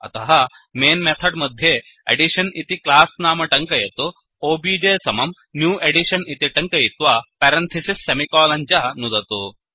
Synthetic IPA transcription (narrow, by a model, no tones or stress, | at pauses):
ɐ̰t̪ɐɦɐ | meːnmet̪ʰɐɖmɐd̪ʱje | ɐ̰ɖiʃɐnit̪iklaːsnaːmɐʈɐŋkɐjɐt̪u | oːbiːd͡ʒeːsɐmɐm | njuːʔeɖiʃɐnit̪iʈɐŋkɐjit̪ʋapɛːɾɐnt̪ʰɐsisːemikaːlɐɲt͡ʃɐɦɐnud̪ɐt̪u